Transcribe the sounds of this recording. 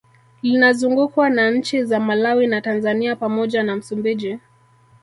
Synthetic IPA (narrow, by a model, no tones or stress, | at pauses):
linazuŋɡukwanaɲ̩t͡ʃizamalawinatanzaniapamɔʄanam̩sumbiʄi